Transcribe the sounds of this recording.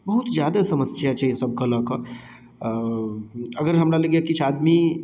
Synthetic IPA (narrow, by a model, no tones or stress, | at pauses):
bəɦut̪d͡ʒjad̪asəməsjat͡ʃʰɛisəb̚kələkə | əɡəɾɦəmɾaləɡjakit͡ʃʰad̪mi